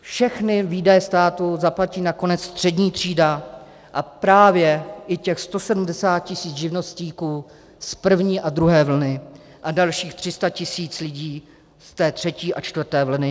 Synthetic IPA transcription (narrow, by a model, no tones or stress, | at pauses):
fʃɛxnɪviːdajɛst̪aːt̪uzaplaciːnako̞nɛt͡sst̪r̝̥ɛdɲiːt̪r̝̥iːda | ʔapɾaːvjɛʔɪcɛxst̪o̞sɛdumdɛsaːt̪̚cɪsiːt͡sʒɪvno̞sciːkuː | spr̩vɲiːʔad̪ɾuɦɛːvl̩nɪ | ʔadalʃiːxt̪r̝̥ɪst̪acɪsiːt͡slɪɟiː | st̪ɛːt̪r̥ɛciːʔat͡ʃt̪vr̩t̪ɛːvl̩nɪ